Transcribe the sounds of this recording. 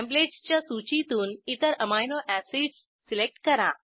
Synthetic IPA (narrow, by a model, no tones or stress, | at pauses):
kæ̃mbled͡ʑt͡ɕjasut͡ɕit̪uːnit̪əɾəmajnoʔæsiɖsːilek̚ʈkəɾa